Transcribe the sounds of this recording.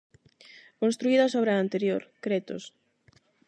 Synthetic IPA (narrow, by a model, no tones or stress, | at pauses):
kõnst̪ɾuiðɐsoβɾeaant̪eɾjoɾkɾet̪o̰s